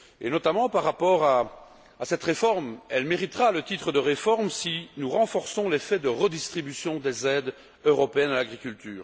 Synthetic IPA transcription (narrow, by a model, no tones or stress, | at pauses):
ḛnɔt̪amɑ̃paʁːapɔːʁaː | sɛt̪ʁefɔʁmɛlmeʁit̪ʁalət̪it̪χəd̪əʁefɔʁmsinuʁɑ̃fɔʁsɔ̃lefɛd̪əʁəd̪ist̪χibysjɔ̃d̪ezɛd̪ | øʁɔpeɛnalaɡʁikʲylt̪yːʁ